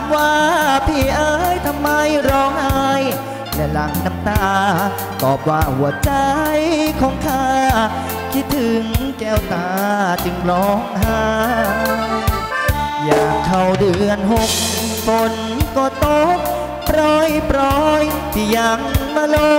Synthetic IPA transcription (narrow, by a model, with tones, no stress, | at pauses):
mwaː˧pʰiː˧˩ʔaː˧jt̪ʰa˧mːa˧jɾɔː˧˥ŋʔaː˧j | lɛː˧la̰˩˦ŋna˧˩mt̪aː˧ | k̪ɔː˨˩p̚waː˧hu˨˩˦ɐt͡ɕa˧jkʰɔː˨˦ŋk̪ʰaː˧ | t̪ʰiː˧˩t̪ʰɯ˨˦ŋkɛː˧˩wt̪aː˧t͡ɕɯ˧ŋɾɔː˧˥ŋha˧ | jaː˨˩ŋkʰa˧˩wdɯː˨˩ənɦo˧m̚ | fo˧n | kɔː˧˩t̪o˧˥p̚ː | ɾɔː˧˥jpɾɔː˧jt̪ʰiː˧˩ja˧˩ŋmaː˧lo˧